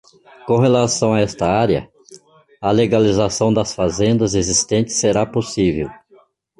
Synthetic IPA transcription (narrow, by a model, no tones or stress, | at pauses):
kõɦelasɐ̃w̃aɛst̪ɐaɾjɐ̰ | ɐleɡalizasɐ̃w̃d̪ɐsfazẽnd̪ɐzezist̪ẽnt͡ʃɪ̥sːeɾaposivew